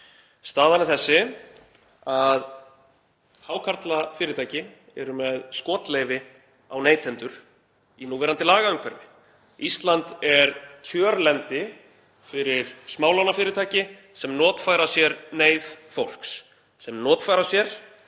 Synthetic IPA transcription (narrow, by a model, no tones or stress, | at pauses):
st̪aːðanɪθɛsːɪ | að | hawkʰaɾt̪lafɪːɾɪɾt̪ʰaːjcɪ | ɛ̰ɾʏmɛðskɔːt̪lejvɪ | awneːjt̪ʰɛnt̪ʏɾ̥ | inuːvɛːɾant̪ɪlaːɣaʏmkʰvɛɾvɪ | ist̪lant̪ɛɾcʰœːɾlɛnt̪ɪ | fɪɾɪɾ̥smaːwlawnafɪːɾɪt̪ʰaːjcɪ | sɛmnɔːt̪faːjɾasjɛɾneːjðfowl̥ks | sɛmnɔːt̪faːjɾasjɛɾ̥